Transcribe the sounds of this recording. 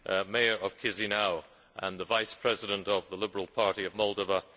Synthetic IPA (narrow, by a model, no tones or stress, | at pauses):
meɪə˞ʔʌv̥kʰɪzinaʊ | ʔə̃nðəvaɪspʰɹ̥ɛzɪɾə̃ntəvðəlɪbə˞əlˠpʰɑɹɾiəvmɔlˠdəvə